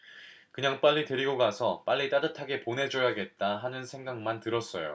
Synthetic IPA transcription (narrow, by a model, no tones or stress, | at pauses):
kɯɲaŋp͈aʎːite̞ɾiɡoɡasʰʌp͈aʎːit͈adɯtʰaɡe̞ponɦe̞d͡ʑʌjaɡe̞t̚t͈aɦanɯnsʰe̞ŋɡaŋmantɯɾʌs͈ʌjo̰